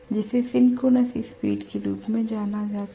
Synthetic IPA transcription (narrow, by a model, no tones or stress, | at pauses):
d͡ʒɪsesɪnkonəsispḭːʈkeɾuːpmẽd͡ʒaːnad͡ʒaːt̪